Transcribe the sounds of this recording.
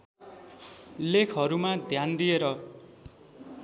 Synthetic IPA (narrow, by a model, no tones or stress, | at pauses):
lekʰɦʌɾumad̪ʱjand̪ijeɾʌ